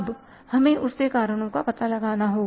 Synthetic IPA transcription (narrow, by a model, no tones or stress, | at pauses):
b | hɐmẽʔʊskekaːɾəɽ̃õkapɐt̪alɐɡaːnaɦoː